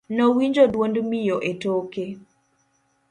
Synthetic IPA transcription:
nɔwiɲd͡ʒodwondmijoʔetoke

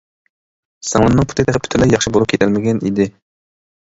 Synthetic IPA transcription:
sɑŋlˠɨnːɨŋpʰu̥t̪ʰɪt̪ɛχɪpʰy̥t̪ʰɪlɛjɑχʃɨbolˠup̚kʲʰet̪ʰælmɪɡʲɛnḭd̪ɪ

